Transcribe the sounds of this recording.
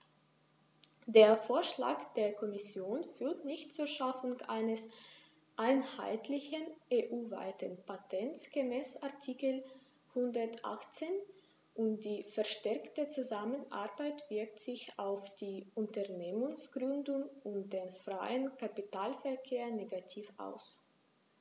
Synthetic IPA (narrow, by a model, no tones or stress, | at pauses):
d̥eːɐfoːɐʃla̰ːkd̥eːɐkʰɔmɪsjoːnfyːɐtnɪçtt͡suːɐʃafʊŋʔa̰ɪnəs | ʔaɪnha̰ɪtlɪçənʔeːʔuːva̰ɪtənpatʰɛnt͡sɡ̥əmɛːsʔaɐtʰiːkəl̩ | hʊndɐtʔa̰χt͡seːn | ʔʊmd̥iːfɛɐʃtɛɐktət͡suzamənʔa̰ɐbaɪtv̥ɪɐk̚tz̥ɪçaʊfd̥iːʔʊntɐɐneːmʊŋsɡ̥ʁʏndʊŋʊnd̥eːnfʁ̥aɪənkapitaːlfɛɐkʰeːɐneːɡatʰiːfʔa̰ʊs